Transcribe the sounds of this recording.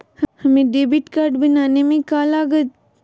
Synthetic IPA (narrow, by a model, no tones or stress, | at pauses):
hɐmẽɖeːbiʈkaːɾɖbənaːnemẽkaːlaːɡət̪